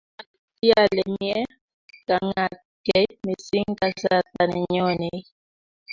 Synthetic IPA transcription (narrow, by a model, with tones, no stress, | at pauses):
a˨ti˦a˦˨lɛ˨mjɛ˦ | ka˨ŋa˨ | kɛ˦me˨si˦ŋ˦ka˦za˦˨ta˨nɛ̰˨ɲɔ˦nɛ˨˦